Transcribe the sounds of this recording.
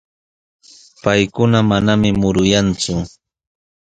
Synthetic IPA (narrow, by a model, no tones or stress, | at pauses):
pajkʊnamanamɪmʊɾʊjant͡sʊ